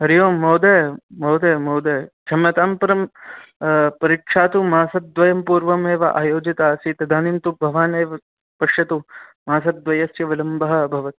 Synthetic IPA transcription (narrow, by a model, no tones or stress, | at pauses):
ɦɐɾijoːmoːd̪ɐmoːd̪ɐːmoːd̪ɐːt͡ʃʰɐmjɐt̪aːmpɐɾɐm | pɐɾikʂaːt̪umaːsɐt̪̚d̪ʋɐjɐmpuːɾʋɐmeːʋɐʔaːjoːd͡ʒit̪aːsit̪ɐd̪ʱaːnimt̪ubʱɐʋaːneːʋɐ | pɐʂjɐt̪umaːsɐt̪̚d̪ʋɐjɐsjɐʋɐlɐmbɐɦɐ̆bʱɐʋɐt̪̚